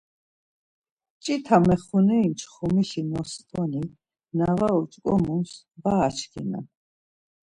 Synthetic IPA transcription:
t͡ʃʼit̪ʰamɛχunɛimt͡ʃʰχumiɬinɔst̪ʼɔni | navaut͡ʃʼkʼɔ̰muns | baːt͡ʃʰkʰɛ̰na̰

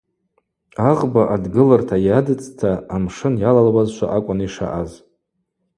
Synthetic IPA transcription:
aʁbaʔadɡɨlartʰajadɨt͡sʼtʰaːmʂɨnjalalwazʃʷa̰ʔakʷʼʊniʂa̰ʔaz

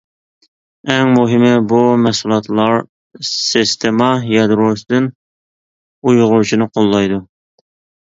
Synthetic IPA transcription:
ɛŋmuɦɪmɪbumɛhsulˠɑt̪ʰlˠɑɾ | sɪst̪ʰemɑjɑd̪ɾosd̪ɨn | ujʁʊɾt͡ʃʰinɨqʰolˠːɑjd̪u

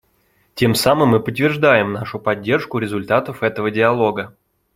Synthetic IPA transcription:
tʲe̞msamɨmːɨpət̪ːvʲɪrʐd̪ajɪmnaʂʊpɐdʲːe̞rʂkʊɾʲɪzʊlʲt̪at̪əfɛt̪əvədʲɪɐlˠo̞ɡə

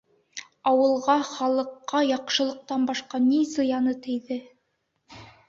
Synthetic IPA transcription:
ɑwɤ̆lˠʁɑχɑlˠɤ̆qːɑjɑqʃɤ̆lˠɤ̆q̚t̪ɑnbɑʃqɑnizɤ̆jɑnɤt̪ɘ̆jðɘ

